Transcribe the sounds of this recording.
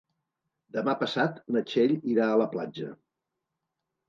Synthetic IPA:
d̪əmapəsat̪nət͡ʃeʎiɾaələplad͡ʒə̰

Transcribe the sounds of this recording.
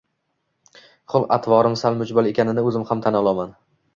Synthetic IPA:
χʊlˠa̰t̪ʰvɒɾɪmsalmʊd͡ʒbalˠe̞kʲʰanɪnɪɵzɪmhamt̪ʰanɒlˠɒman

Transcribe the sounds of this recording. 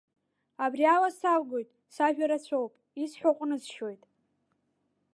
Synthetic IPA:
abrialasarɡo̞jtʼ | saʒᶣaɾat͡ɕʷʰo̞wpʼ | isħʷaqʷʼnɨzʃo̞jtʼ

